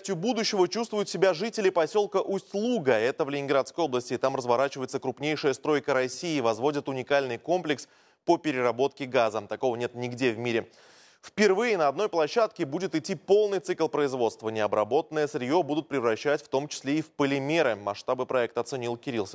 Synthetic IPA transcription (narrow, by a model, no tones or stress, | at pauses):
sʲtʲjʊbud̪ʊɕːɪvət͡ɕust̪vʊjʊt̪sʲɪbʲaʐɨtʲɪlʲɪpɐsʲo̞lˠkəʔʊslˠuɡəɛt̪əvlʲɪnʲɪnɡɾat̪skəjo̞blˠəsʲtʲɪːt̪amrəzvɐɾat͡ɕɪvəjɪt̪səkɾʊpnʲejʂəjəst̪ɾo̞jkəɾɐsʲijɪvɐzvo̞dʲɪt̪ʊnʲɪkalʲnɨjko̞mplʲɪks | pəpʲɪɾʲɪrɐbo̞t̪kʲɪɡazət̪ɐko̞vənʲet̪nʲɪɡdʲevmʲiɾʲɪ | fpʲɪrvɨjɪnəɐd̪no̞jplˠɐɕːat̪kʲɪbudʲɪt̪ɪtʲːipo̞lˠnɨjt̪sɨklˠpɾəɪzvo̞t̪st̪vənʲɪɐbɾɐbo̞t̪ənːəjəsɾʲɪjobud̪ʊt̪̚pɾʲɪvɾɐɕːætʲft̪o̞mt͡ɕɪ̥sʲlʲeifpəlʲɪmʲeɾɨmɐʂt̪abɨpɾɐɛk̚t̪əɐt̪sɨnʲilˠkʲɪɾʲilˠsʲə